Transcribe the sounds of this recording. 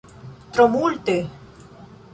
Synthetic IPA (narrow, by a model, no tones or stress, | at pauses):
t̪ɾɔmulʲt̪ɪ